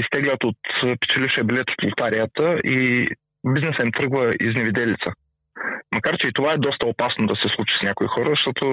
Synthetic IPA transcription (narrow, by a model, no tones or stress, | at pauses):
ist̪ɛɡlʲət̪ot̪pɛ̥t͡ʃɛliʃɛbilɛt̪o̥t̪olˠt̪aɾiət̪əʔi | biznɛsəimt̪ɾɤɡvəḭznɛvid̪ɛlit̪sə | mɐkaɾt͡ʃɛit̪ovaɛd̪ɔst̪ɐopasnod̪ɐsɛslˠut͡ʃi̥snʲakoixɔɾəzɐʃt̪ɔt̪o